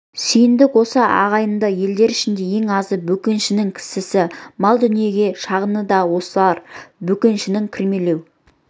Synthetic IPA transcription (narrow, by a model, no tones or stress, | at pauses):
sijɪnd̪ɪkwo̞səɑ̰ʁɑjənd̪ɑje̞ld̪e̞ɾɪʃɪnd̪e̞je̞ŋɑzəbɵkʲe̞nʃɪnɪŋkʲʰɪ̥sɪsɪmɑlˠd̪ʏnije̞ɡʲe̞ʃɑʁənəd̪ɑwo̞səlˠɑɾbɵkʲenʃɪnɪŋkʲʰɪɾme̞le̞w